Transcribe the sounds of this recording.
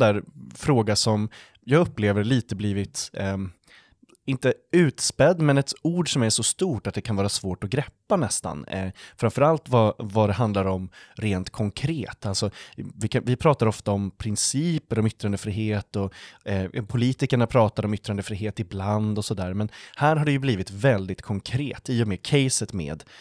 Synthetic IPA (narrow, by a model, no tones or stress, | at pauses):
d̪æːɾfɾoːɡasɔm | jɑːɡɵpːleːvəɾɭiːt̪əbliːvɪt̪ | ɪnt̪əʉ̟ːt̪spɛd̪ːmɛnɛt̪uːɖʂɔmæʂɔst̪uːʈat̪̚d̪ɛkʰanvɑːɾasvoːʈɔɡɾɛpːanɛst̪a̰nfɾamfœɾalt̪vavad̪ɛɦand̪laɾɔmɾeːnt̪kʰɔŋkʰɾeːt̪ʰalsɔvɪkavɪpʰɾɑːt̪aɾɔft̪aɔmpʰɾɪnsiːpəɾɔmʏt̪ːɾand̪əfɾiːɦeːt̪ɔ | pʰʊliːt̪ɪkaɳapʰɾɑːt̪aɾɔmʏt̪ːɾand̪əfɾiːɦeːt̪ɪbland̪ɔsɔd̪æːɾmɛnhæːɾɦaɖɛjɵbliːvɪt̪vɛld̪ɪt̪kʰɔŋkʰɾeːt̪iːɔmeːkʰɛjsət̪mḛːd̪